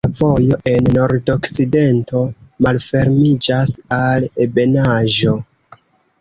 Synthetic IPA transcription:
vo̞jo̞ʔe̞nːo̞ɾdo̞kside̞nto̞malfe̞ɾmid͡ʒasalebe̞naʒo̞

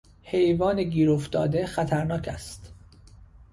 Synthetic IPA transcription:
he̞jvɒːneɟiːɾoft̪ɒ̰ːd̪e̞xæt̪ʰæɾnɒːcʰæst̪

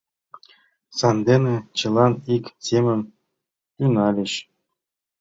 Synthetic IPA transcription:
sɑnd̪enʲĕt͡ɕɤ̆lˠɑnikʲsʲemʲɘ̆m | t̪ynɑlʲɘɕ

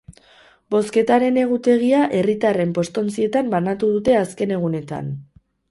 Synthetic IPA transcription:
bo̞ske̞t̪aɾe̞ne̞ɣ̞ut̪e̞ɣ̞iaʔe̞rit̪are̞mpo̞st̪o̞nt͡sie̞t̪ambanat̪uðut̪e̞aske̞ne̞ɣ̞une̞t̪a̰n

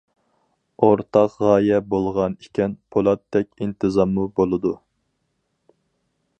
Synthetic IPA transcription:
oɾt̪ʰɑqʁɑːjɛbolˠʁɑnikʲʰɛnpʰolˠɑt̪ʰːɛkʲint̪ʰɨzɑmːubolˠɨd̪u

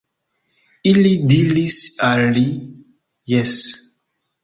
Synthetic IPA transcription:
ilidiɾisalːi | jɛs

